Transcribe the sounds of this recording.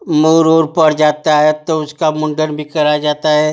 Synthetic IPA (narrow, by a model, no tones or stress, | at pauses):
moːɾoːɾpɐɾd͡ʒaːt̪aɦɛt̪oʊskamʊ̃ɳɖəɾbʱikɐɾad͡ʒaːt̪aɦɛː